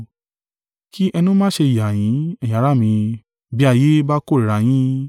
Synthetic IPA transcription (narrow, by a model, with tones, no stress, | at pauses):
ki˦ʔɛ˧nũ˦mãː˦ʃe˧i˨ja˨j̃ĩ˨˦ɛ˦˨j̃ã˨˦ɾa˦˨mĩ˧ | bi˦a˦˧˨je˦ba˦ko˦˨i˨ɾa˧˦j̃ĩ˦